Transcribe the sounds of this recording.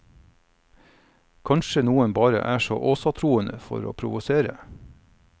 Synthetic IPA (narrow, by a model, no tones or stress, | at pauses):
kʰɑnʃənuːənbɑːɾə̰ʔæːʃo̰ːʔoːsɑt̪ʰɾuːənəfɔ̰ɾo̰ːpʰɾʊʋʊseːɾə